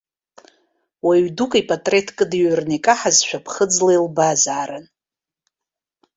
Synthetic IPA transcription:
waɥdukʼipʼatʼre̞tʰkʼɨdiɥrnikʼaħazʃʷᶣapʰχəd͡zlejlbazaːɾɨn

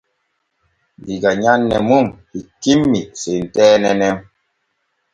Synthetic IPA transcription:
ndiɡaɲanːɛ̰mumhikimːisen̩tɛnɛnɛm

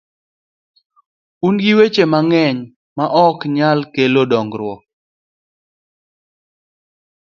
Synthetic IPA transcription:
unɡiwet͡ʃemaŋɛɲ | maʔɔkɲalkelodɔŋɡɾwɔ

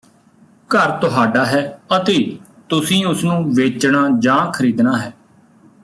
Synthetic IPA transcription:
kəɾt̪ʊɦaːɖaːɦɛːət̪eː | t̪ʊsĩːʊsnũːʋeːt͡ʃɳaːd͡ʒãːkʰəɾiːd̪naːɦɛː

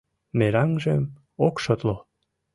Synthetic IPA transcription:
meɾɑŋʒem | okʃot̪lo

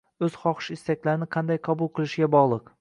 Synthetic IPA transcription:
ɵz̥χɒχɨ̥ʃɪst̪akʲlaɾɪnɪqʰɑnd̪ajqʰɒbʊlˠqʰɨlˠɪʃɪɡʲabɒʁlˠɨq

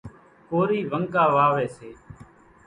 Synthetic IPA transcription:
koːɾiːʋəŋɠaːʋaːʋeːseː

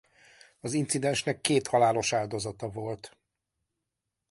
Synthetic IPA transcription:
ɒzint̪sid̪ɛnʃnɛkːeːt̪hɒlaːlo̞ʃaːld̪o̞zɒt̪ɒvo̞lt̪

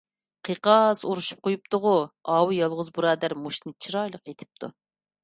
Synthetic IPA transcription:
qʰəqɑsuɾuʃu̥p̚qʰojup̚t̪ʰʊʁʊɑːwujɑlˠʁʊzbuɾɑːd̪æɾmuʃnɨt͡ʃʰiɾɑjlˠəqet̪ʰɪ̥p̚t̪ʰṵ

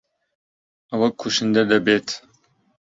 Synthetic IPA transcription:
ɐwɐkʰuʃɨnd̪ɐd̪ɐbeːt̪

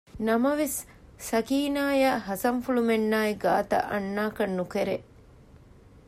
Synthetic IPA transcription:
nɐmɐʋes | sɐkiːnaːjaːɦɐsɐɱfulumenːaːiɡaːt̪ɐ̰ʔɐnːaːkɐnːukeɾe

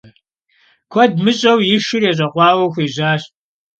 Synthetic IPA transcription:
kʷʰɔdmɨɕʼɐwjɪʃɪrjɛɕ̬ʼɐqʷɑːwɐxʷiːʑaːɕ

